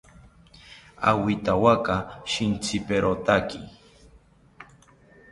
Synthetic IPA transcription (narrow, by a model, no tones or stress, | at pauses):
a̰wit̪awakaʃint͡sʰɪpeɾot̪aki